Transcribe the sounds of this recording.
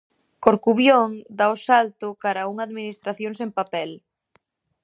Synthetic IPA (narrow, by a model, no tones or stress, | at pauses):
koɾkuβjoŋd̪aʊsalt̪ʊkaɾauŋaðminist̪ɾaθjoŋsempapɛl